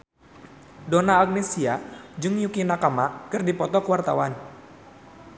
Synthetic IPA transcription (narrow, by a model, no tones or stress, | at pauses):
dɔnaːk̚nesiad͡ʒɨŋjukinakamakɨrdipɔt̪ɔkəwart̪a̰wan